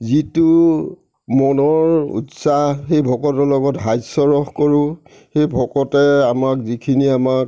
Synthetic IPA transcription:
zitu | mɔnɔɹṵtsaɦxejbʱɔkɔtɔlɔɡɔtɦajsɔɹɔxkɔɹʊ̃ | xejbʱɔkɔtɛamakzikʰiniamak̚

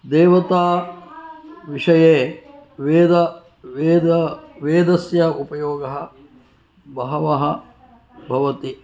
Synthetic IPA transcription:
d̪eːʋɐt̪aː | ʋiʂɐjeːʋeːd̪ɐ | ʋeːd̪ɐʋeːd̪ɐsjɐupɐjoːɡɐɦɐ̆ | bɐɦɐʋɐɦɐ̆ | bʱɐʋɐt̪i

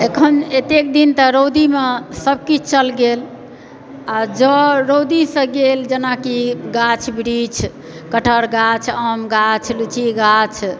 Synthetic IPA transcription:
ekʰənet̪ek̚d̪int̪əɾod̪imesəb̚kit͡ʃʰt͡ʃəlɡel | ad͡ʒəɾod̪isə̃ɡeld͡ʒenakiɡat͡ʃʰbɾit͡ʃʰ | kəʈʰəɾɡat͡ʃʰəmɡat͡ʃʰlut͡ʃʰiɡat͡ʃʰ

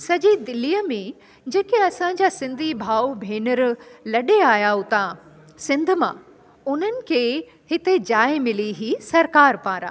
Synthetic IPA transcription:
sɐʄid̪ɪliːjəmẽ | d͡ʑɐːkeɐsãɲd͡ʑaːsɪ̃nd̪ʱibʱaːwbʱeːnəɾlɐɗeaːjaɦʊt̪ã | sɪ̃nd̪ʱʊ̆mã | ʊn̤ənɪ̆kʰe | ɦɪt̪ed͡ʑaːɪmɪliɦiːsɐɾkaːɾpaːɾa̰ː

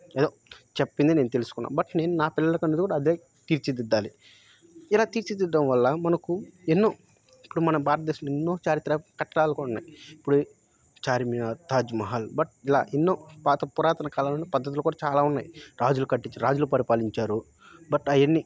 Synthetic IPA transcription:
ed̪oːt͡ʃepːind̪ine̞ːnut̪elusu̥kunːa̰ːmbɐʈne̞ːnunaːpɪlːɐlɐkɐned̪ukuːɽaːd̪eː | t̪iːɾt͡ʃid̪id̪ːaːli | ilaːt̪iːɾt͡ʃid̪id̪ːɐmʋɐlːɐmɐnɐkuenːo̞ː | ipːuɽumɐnɐbʱaːɾɐt̪ɐd̪eːʃɐmɐenːo̞ːt͡ʃaːɾit̪ːɾɐkɐʈːɐɽaːlɐkounːa̰ːjiipːuɽe | t͡ʃaːɾiminat̪aːd͡ʒmɐɦalbɐʈ̚ila̰ːʔenːo̞ːpaːt̪ɐpuɾaːt̪ɐnɐkaːlɐlonepɐd̪ːɐt̪ulokuːɽaːt͡ʃaːlaːunːaːjɾaːd͡ʒulukɐʈːiɲt͡ʃiɾaːd͡ʒulupɐɾipaːliɲt͡ʃaːɾu | bɐʈɐjɐnːi

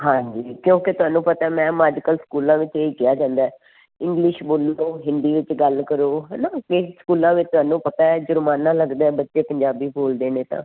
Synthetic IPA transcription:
ɦãːd͡ʒiːkjõːket̪ʊɦaːnũːpət̪aːɛːmɛ̃ːmaːd͡ʒkəlskuːlãːʋɪt͡ʃeːiːkɪjaːd͡ʒãːnd̪aːɛː | ɪ̃ŋɡlɪʃboːloːɦɪ̃nd̪iːʋɪt͡ʃɡəlkəɾoːɦɛnaːkɪsə̥kuːlãːʋɪt͡ʃt̪ʊaːnũːpət̪aːɛd͡ʒʊɾmaːnãːləɡd̪aːɛ̃bətːʃeːpəɲd͡ʒaːbiːboːld̪eːnẽːt̪ã̰ː

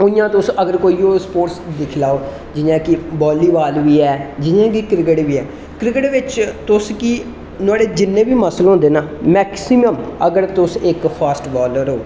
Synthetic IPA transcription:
ʊjãːt̪ʊsəɡəɾkoːioːspoːʈsd̪ɪkʰlaːoː | d͡ʒɪjãːkɪbɔːliːʋaːlʋiːɛːd͡ʒɪãːk̬ikɾɪk̬əʈʋiːɛː | kɾɪkəʈʋɪt͡ʃt̪ʊskiː | nʊaːɽeːd͡ʒɪnːẽːʋiːməslɦõːnd̪eːnaːmɛːksiməməɡəɾt̪ʊsɪkpʰaːsʈbɔːləɾɦoː

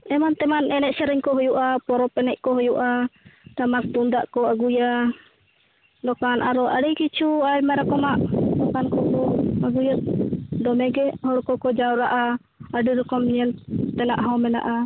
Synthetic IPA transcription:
ɛmant̪ɛmanɛnɛʔsɛɾɛɲkɔɦɔjuʔapɔɾɔpɛnɛʔkɔɦɔjuʔat̪amast̪undaʔkɔaɡuja | dɔkanʔaɾɔʔaɽikit͡ʃuajmaɾakɔmaʔdɔkankɔkɔaɡujat̪̚dɔmɛɡɛʔhɔɾkɔkɔd͡ʒauɾaʔa | adiɾɛkɔmɲɛnt̪ɛna̰ʔɦɔmɛna̰ʔa

